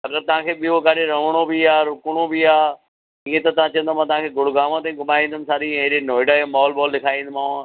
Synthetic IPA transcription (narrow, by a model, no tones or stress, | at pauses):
ɐɡəɾt̪ɐʋ̤ãːkʰeːɓioɡaːɗeɾɐʋəɽ̃obiaːɾʊkʊɽ̃obiaː | iːẽt̪ɐt̪ɐʋ̤ãt͡ɕɐ̃ə̃nd̪omãt̪ɐʋ̤ãkʰeːɡʊɽ̤ɡaːmãt̪̬ẽɡʊmaːĩːnd̪ɪmɪsaːɗiẽɗenoːɪɖaẽmɔːlbɔːlɗɪkʰaːĩːnd̪maːʋã